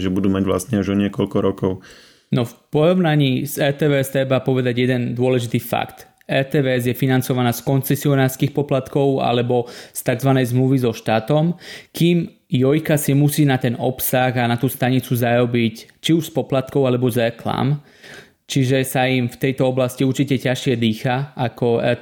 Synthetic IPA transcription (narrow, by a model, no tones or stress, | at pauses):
ʒɛbud̪uːmaɟʋla̰st̪ɲɛuʒɔɲɪɛkɔʎkɔɾɔkɔʊ | nɔfpɔɾɔʊnaɲiːzɛt̪ɛːʋɛɛst̪ɾɛbapɔʋɛd̪aɟjɛd̪ɛnd̪ʊɔlɛʒit̪iːfa̰kt̪ | ɛt̪ɛːʋɛɛzjɛfinant͡sɔʋanaːskɔnt͡sɛsiɔnaːɾskiːxpɔplat̪kɔʊa̰lɛbɔst̪aɡzʋanɛjzmluʋizɔʃt̪aːt̪ɔmkiːm | jɔjkasimusiːnat̪ɛnɔpsaɣanat̪uːst̪aɲit͡suzaɾɔbic | t͡ʃiuʃspɔplat̪kɔʊalɛbɔzɾɛkla̰ːm | t͡ʃiʒɛsaimft̪ɛjt̪ɔɔblasciuɾt͡ʃicɛcaʃɪɛd̪iːxaakɔɛ̰